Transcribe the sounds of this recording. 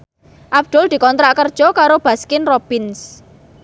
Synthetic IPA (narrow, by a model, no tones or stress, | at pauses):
ʔab̚d̪̥ɔ̤ld̪̥i̤kɔnt̪ɾaʔkərd̥ʒ̥ɔ̤kaɾob̥a̤skɪnrob̥ɪns